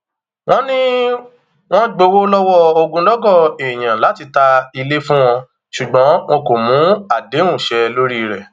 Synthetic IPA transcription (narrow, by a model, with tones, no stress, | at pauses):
w̃ɔ̃˦nĩ˦ | w̃ɔ̃˦ɡ͡bo˧wo˦lɔ˦wɔ˦o˧ɡũ˧lɔ˦ɡɔ˦˨e˨j̃ã˨la˨˦ti˧ta˧i˧le˦fũ˦w̃ɔ̃˧ | ʃu˨ɡ͡bɔ̃˨˦w̃ɔ̃˧ko˨mũ˨˦a˦˨de˨˦ũ˦˨ʃɛ˧lo˦ɾi˦˧ɾɛ˦˨